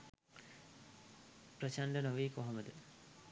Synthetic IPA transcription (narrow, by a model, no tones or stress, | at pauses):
pɾɐt͡ɕaɳɖɐnɐʋiːkoɦɐmɐd̪ɨ